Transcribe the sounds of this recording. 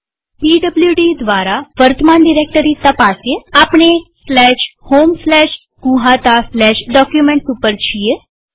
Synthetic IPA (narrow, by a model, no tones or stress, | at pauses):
piːɖəbljuɖid̪ʋaɾaʋəɾt̪əmanɖiɾek̚ʈəɾit̪əpasjeapɳ̃eslɛʃhomslɛʃ | ɡũɦat̪aslɛʃɖɔkjumeɳʈsupəɾt͡ɕʰije